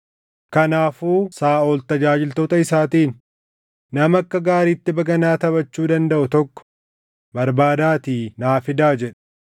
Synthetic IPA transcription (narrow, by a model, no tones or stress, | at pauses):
kɐnaːfuːsaːʔoːlt̪ɐd͡ʒaːd͡ʒɪlt̪oːt̪ɐɪsaːt̪iːnː | ɐmɐkːɐɡaːɾiːt̪ːɪbɐɡɐnaːt̪ɐβɐt͡ʃːuːd̪ɐnd̪ɐʔʊt̪ɔkːɔ̥ | bɐɾbaːd̪aːt̪iːnaːfɪd̪aːd͡ʒɛᶑ̥